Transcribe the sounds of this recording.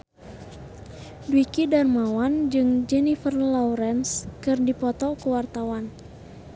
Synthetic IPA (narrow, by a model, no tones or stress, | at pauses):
dwikidarmawand͡ʒɨŋd͡ʒɛnifərlauɾɛnskɨrdipɔt̪ɔkəwart̪awan